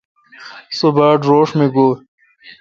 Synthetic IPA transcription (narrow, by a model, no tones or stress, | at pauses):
sobaːʈɾoːʂmẽɡoː